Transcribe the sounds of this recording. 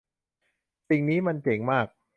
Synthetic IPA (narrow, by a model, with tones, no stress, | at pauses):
si˨˧ŋniː˦˥ma˧nt͡ɕeː˩˦ŋmaː˥˩k̚